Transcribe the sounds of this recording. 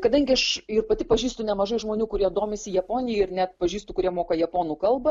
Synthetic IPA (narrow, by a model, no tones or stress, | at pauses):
kɐd̪ɐŋʲɡʲɪɐʃɪrpɐt̪ʲɪpɐʒʲiːst̪ʊnʲɛmɐʒɐɪʒmoːnʲuːkʊɾʲiɛd̪oːmʲɪsʲɪjɛpoːnʲɪjɛɪrnʲɛt̪pɐʒʲiːst̪ʊkʊɾʲiɛmoːkɐjɛpoːnuːkɐlˠbɐ